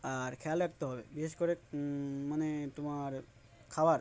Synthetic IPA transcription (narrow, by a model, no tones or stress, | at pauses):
aɾkʰealaɡ̚t̪oɦɔbebiʃeskɔɾe | manet̪umaɾ | kʰabaɾ